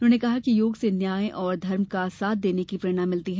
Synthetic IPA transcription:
ʊnɦõːnekɐɦakijoːɡsenjaːẽʔɔːɾd̪ʱɐɾmkasaːt̪̚ʰd̪eːnekipɾeːɽ̃ãmːɪlt̪iɦɛː

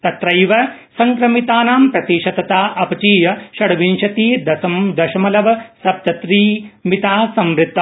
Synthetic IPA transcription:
t̪ɐt̪ɾɐjʋɐ | sɐŋkɾɐmit̪aːnaːmpɾɐt̪iːʃɐt̪ɐt̪aːʔɐpɐt͡ʃiːjɐʃɐɽɐʋinʃɐt̪iːd̪ɐd̪ɐʃɐmɐlɐʋɐsɐp̚t̪ɐt̪ɾiːmit̪aːsɐmɾɪt̪ː

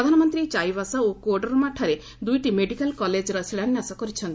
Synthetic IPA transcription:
ɾɔd̪ʱanɔmɔnt̪ɾit͡ʃajbasaokoɖɔɾmaʈʰaɾe | d̪ujʈimeɖikalkɔled͡ʒɾɔsiɭanjasɔkɔɾit͡ʃʰɔnt̪i

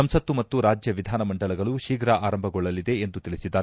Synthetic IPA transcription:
ɐmsɐt̪ːumɐːuɾaːd͡ʒjɐʋid̪ʱaːnɐmɐɳɖɐɭɐɡɐɭuʃiːɡɾaʔaːɾɐmbʱɐɡɔɭːɐlid̪e̞ːnd̪ut̪ilɭisid̪ːaːɾ

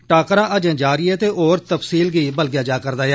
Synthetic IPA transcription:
ʈaːkɾãːʔəd͡ʒãːd͡ʒaːɾiːɛːt̪eːʔoːɾt̪əpsiːlɡiːbəlɡjaːd͡ʒaːkəɾd̪aːjɛː

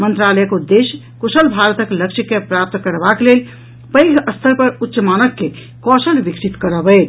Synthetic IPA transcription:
mənt̪ɾaləjkud̪es | kusəlbʱaɾət̪əkləkʃikːepɾap̚t̪kəɾbaklel | pəjɡʱəst̪ʰəɾpəɾutːʃəmanəkːe | kɔsəlbiksit̪kəɾəbə

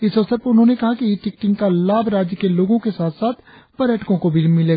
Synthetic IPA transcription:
ɪsɔsəɾpəɾʊnɦõnekɐɦakiʈɪkʈɪ̃ŋɡkalaːbɾaːd͡ʒjəkeloːɡõkesaːt̪ʰsaːt̪ʰpɐɾɛːʈkõkobʱimɪleːɡa

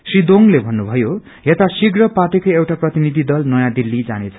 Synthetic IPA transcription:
srid̪oŋlebʱʌnːubʱʌjo | jet̪asiɡrʌpaʈikʌjewʈaprʌt̪inid̪ʱid̪ʌlnʌjãd̪ilːid͡za̰net͡sʰʌ̥

